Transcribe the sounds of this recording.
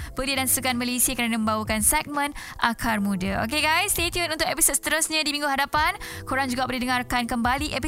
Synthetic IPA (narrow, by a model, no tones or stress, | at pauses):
b̥əliədansukanmalesiakəɾanamə̃mbawakansɛk̚mə̃n | ʔakʰarmũdəʔo̰keɡajst̪et̪iut̪unt̪ʊk̚ʔɛpisod̪̚sə̥t̪əɾʊsɲãdimĩŋɡuɦadapan | koɾaŋd͡ʒuɡapərdidəŋarkankəmbaliʔɛpi